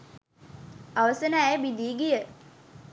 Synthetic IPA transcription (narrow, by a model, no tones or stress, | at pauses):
aʋəsənəæjbid̪iːɡijə